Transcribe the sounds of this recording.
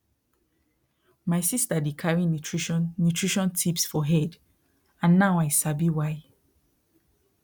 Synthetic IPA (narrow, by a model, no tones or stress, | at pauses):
maɪsistadikʰaɹĩnutʰɹiʃɔ̃nːutʰɹiʃɔ̃ntʰipsfɔɦɛd | ãnːaʊaɪsabiwaɪ